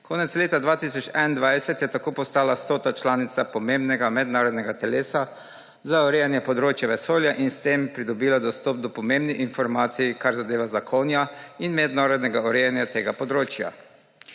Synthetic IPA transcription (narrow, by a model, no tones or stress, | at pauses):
kʰoːnɛt̪sleːt̪ad̪ʋaːt̪isɔt͡ʃɛnnd̪ʋajsɛt̪jɛt̪akoːpɔst̪aːlast̪oːt̪at͡ʃlaːnit̪sapɔmẽmbnɛɡamɛd̪naːɾɔd̪nɛɡat̪ɛleːsa | zaɔɾɛjanjɛpɔd̪ɾoːt͡ʃjaʋɛsoːljaʔinst̪empɾid̪ɔbiːlad̪ɔst̪ɔːp̚d̪ɔpɔmembniʔinfɔɾmaːt̪sijikaɾzad̪eːʋazakʰonjainmɛd̪naːɾɔd̪nɛɡaɔɾɛjanjat̪eːɡapɔd̪ɾoːt͡ʃja̰